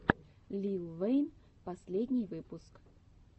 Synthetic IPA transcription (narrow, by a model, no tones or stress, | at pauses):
lʲilˠvɛjn | pɐsʲlʲedʲnʲɪjvɨpʊsk